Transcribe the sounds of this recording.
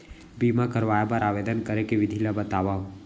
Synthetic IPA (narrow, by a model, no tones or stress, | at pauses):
bimakəɾʋaːjabaɾaːʋeːd̪ənkəɾekeʋɪd̪ʱilabət̪aːʋa